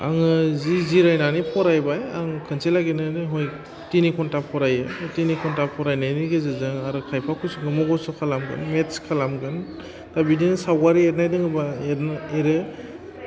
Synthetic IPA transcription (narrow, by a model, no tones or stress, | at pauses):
a̰ŋɯziziɾajnanipʰɔɾajbajaŋkʰɯnselaɡenɯnɯɦɔj | tinikʰɔntapʰɔɾajɯtinikʰɔntapʰɔɾajnajniɡezɯzɯŋaɾɯkʰajpʰakʰusuɡɯmɔɡɔsɔkʰalamɡɯ̰nmetskʰalamɡɯn | tabidinsawɡaɾiet̚najdɯŋɯbaetneɾɯ